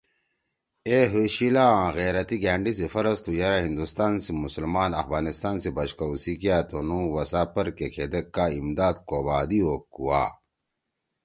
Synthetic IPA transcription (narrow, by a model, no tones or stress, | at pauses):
eːɦuɕilaãɣeːɾɐt̪iɡaːɳɖisefɐɾɐst̪ujɐɾaɦĩnd̪ust̪aːnsimusɐlmaːnɐ̰fbaːnist̪aːnsebɐɕkɐusikijaːt̪onũwɐsaːpɐɾkekʰed̪ekːaːimd̪aːd̪koːbaːd̪iokːuwa̰ː